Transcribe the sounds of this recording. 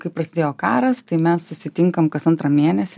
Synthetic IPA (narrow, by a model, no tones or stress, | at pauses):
kɐɪpɾɐsʲɪd̪ʲeːjoːkɑːɾɐst̪ɐɪmʲɛssʊsʲɪt̪ʲɪŋkɐmkɐsɐnt̪ɾɐmʲeɛnʲɛsʲɪ